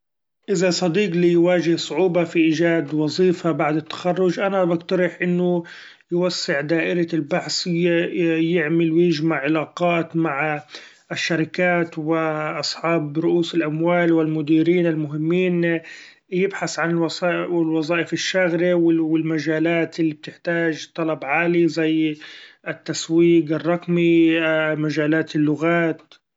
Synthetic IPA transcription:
ʔɪzasˤɑd̪iːqlijwaːʒɪhsˤʊʕuːbafiʔiːd͡ʒaːd̪wɑzˤiːfabaʕd̪ɪt̪ːḁxarˤːʊd͡ʒʔanabaɡt̪ɑɾɪħʔɪnːʊ | jwasːɪʕd̪aːʔɪɾalbaħs | jɪʕmɪlwɪjɪʒmaʕʕɪlaːqɑːt̪maʕ | ɪʃːaɾɪkaːt̪wɪʔɑsˤħɑːbɾʊʔuːsɪlʔamwaːlwɪlmʊd̪iːɾiːnɪlmʊɦɪmːiːn | jɪbħasʕanwwɪlwɑzˤɑːʔɪfɪʃːaɣɾiwɪwɪlmad͡ʒaːlaːt̪ɪlːib̚t̪ɪħt̪aːʒt̪ˤːɑlɑbʕaːlizajʔɪt̪ːaswiːɡɪrˤːɑqmi | maʒaːlaːt̪ɪlːʊɣaːt̪

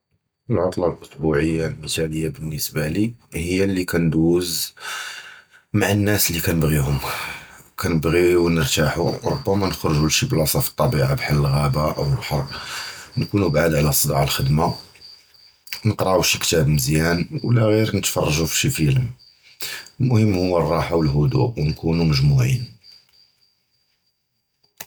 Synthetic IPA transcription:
əlʕɑt̪ˤlɑlʔʊsbuʕəjːalmət̪æləjːabənːəsbalihəjːalːikænd̪uz | maʕənːæslikænəbɣiɦʊm | kʰænəbɣiwnəɾt̪aħṵɾˤʊ̰bːæmænəxɾʒuʃiblɑsˤɑfə̥t̪ˤːɑbiʕabħalːəlɣæbaʔə̰wəbħɑrˤnkunubʕad̪ʕlæsˤəd̪ɑʕəlxəd̪ma | nəqɾɑʕuʃikt̪æbməzjænwlæɣiɾnət̪fɑ̰rˤːɑʒufi̥ʃifələm | lmʊhəmːhʊwːərˤːɑħawəlɦʊd̪ṵʔwnkunuməʒmuʕḭn

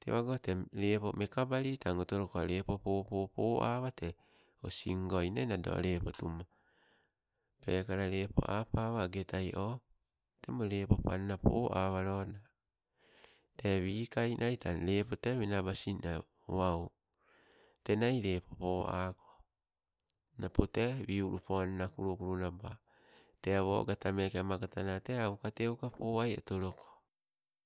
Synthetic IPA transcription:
tḛwaɡoteɾepomekabaɾitaŋotoɾokoaɾepopoːpopoːʔa̰βate | osḭŋɡojnanado̰ɾepotuma | pekaɾaɾepo̰ʔapaβaɡetʰajʔo | temoɾepopannapo̰ːʔaβaɾona | teβikajnʔajtaɾepoteβinabasina | waw | te̞najɾe̞popoa̰ko | napoteβiuɾupoannakuɾukuɾunaba | teaβo̰ɡatamekeamaɡatanateawkateukapoajḛtoɾoko̥

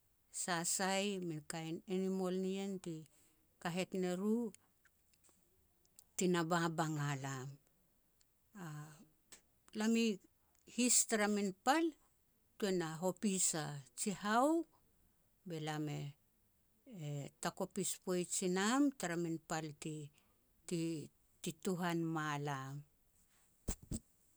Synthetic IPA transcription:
sasajminkajnenimo̞lnie̞nti | kaɦe̞tne̞ɾu | tinababaŋalam | a | lami | histaɾaminpal | tue̞naɦo̞pisat͡ʃihaw | be̞lame̞ | tako̞pispo̞jt͡ʃinamtaɾaminpalti | ti | tituɦanmalam

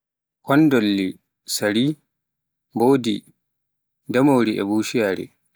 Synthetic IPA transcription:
kɔndɔlːi | sɐɾiː | boːdḭ | dɐmɔwɾiʔɛ̰buːʃɪjaːɾḛ

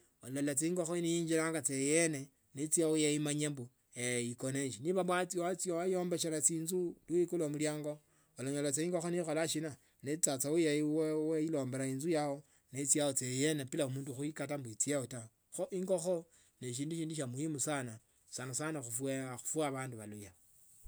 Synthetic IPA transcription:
olalat͡seiŋɡo̞xonijiːɲd͡ʒiɾaːŋɡat͡sejene | net͡siaojaimaɲambu | eikoneʃiniβaβwat͡siowat͡siowajoːmbeʃelat͡siːnzuluikulwamuljaːŋɡo | olaɲolat͡seiːŋɡo̞xonixolaʃina | net͡sat͡sawujaiweweilo̞ːmbeɾainzujawo | net͡siaot͡sejenepilaomuːnduxuikatambuit͡siaota | xoʔiŋɡoxo | neʃ̬iːnduʃiːnduʃ̬amuimusana | sanasanaxufweaxu̥fwaβaːnduβaluja

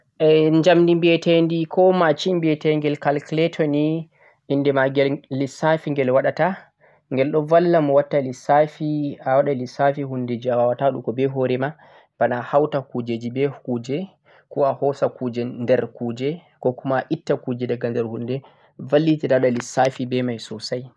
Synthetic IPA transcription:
ʔɛɲd͡ʒamndimbɛtɛndikʰɔmat͡ʃimbɛtɛŋɡɛlkalklɛtʰɔni | indɛmaɡɛllisafiŋɡɛlwaɗata | ŋɡɛlɗɔvalːamɔwatːalisafiawaɗalisafihunded͡ʒiawawataɗukɔbɛɦɔɾɛma | b̥anahawtakud͡ʒed͡ʒibɛhuːd͡ʒɛ | kɔahɔsakud͡ʒɛndɛɾkud͡ʒɛ | kɔkumaʔitːakud͡ʒɛdaɡandɛɾhundɛ | valːitidawɗalisafibɛmajsɔsaj

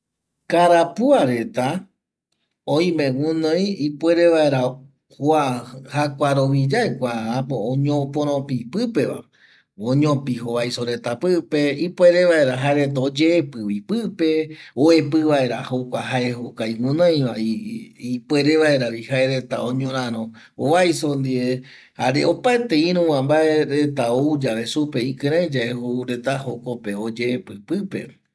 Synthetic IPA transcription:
kaɾapuaɾe̞t̪a | oj̃mẽwũnõj̃ipweɾeʋae̞ɾa | hoahakʷaɾoβid͡ʒaekʷaːpoõɲõpõɾ̃õpipɨpe̞ʋa̰ | õɲõpiɦoβajsoɾe̞t̪apɨpeipwe̞ɾe̞ʋae̞ɾaɦaeɾet̪̬aod͡ʒeːpɨwipɨpeoepɨβae̞ɾahokʷaɦaeɦokaiwũnãj̃ʋaiipweɾeβaeɾaβihaeɾe̞t̪aõɲõɾ̃ãɾõ | oβajsond̪ie | haɾeopaet̪eĩɾũw̃ãmbaeɾet̪aoud͡ʒaβe̞supeĩkɨ̃ɾ̃ẽd͡ʒaehouɾe̞t̪ahokopeod͡ʒeːpɨpɨpe̞̰

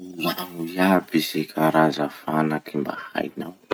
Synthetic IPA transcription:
ulaŋujabizekʰaɾazafanakʰimba̰ha̰jnaw

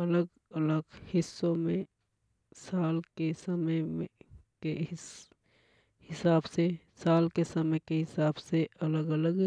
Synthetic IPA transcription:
ələɡ | ələɡhɪsːõmẽ | saːlkesəməjmẽke | hɪsaːbse | saːlkesəməjkeɦɪsaːbseʔɐləɡələɡ

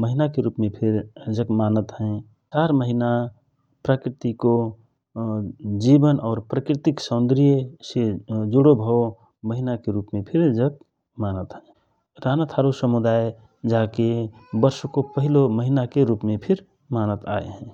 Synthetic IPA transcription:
məɦinakeɾupmẽpʰɪɾd͡ʒəkmanət̪ɦɛ̃ | t͡ʃaɾməɦina | pɾəkɾɪt̪iko | d͡ʒibənɔːɾpɾəkɾɪt̪iksə̃nd̪ɾijəsed͡ʒuɽobʱəo | məɦinakeɾuːpmẽpʰɪɾd͡ʒək | manət̪ɦɛ̃ | ɾanat̪ʰaɾosəmud̪aːj | d͡ʒakebəɾskopəɦiloməɦinakeɾuːpmẽpʰɪɾ | maːnət̪a̰ḛɦɛ̃

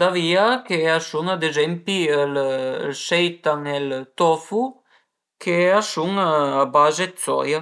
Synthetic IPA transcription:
d̪aviakeasuŋad̪ezɛmpiəlsɛjt̪aŋɛlt̪ɔfu | kʰeasuŋabazet͡s̪ɔ̰ja

